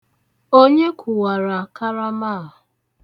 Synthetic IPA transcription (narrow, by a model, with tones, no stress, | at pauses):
o˦ɲe˦kʷʰu˨wa˨ɾa˨ka˦ɾa˦ma˦˨